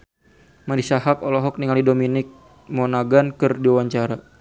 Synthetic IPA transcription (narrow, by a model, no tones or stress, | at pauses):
madisaɦakɔlɔɦɔk̚niŋalidominɪk̚ | mɔnaɡankɨrdiwawaɲt͡ʃaɾa